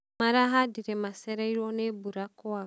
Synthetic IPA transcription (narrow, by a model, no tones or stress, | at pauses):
maɾaɦadiɾɛmasɛɾɛiɾwɔnebuɾakɔa